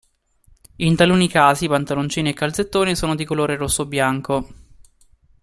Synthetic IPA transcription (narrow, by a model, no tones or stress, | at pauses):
int̪aluːnikaːzipant̪alont͡ʃiːniekːalt̪set̪ːoːnisoːnod̪ikoloːɾeɾosːobjaŋko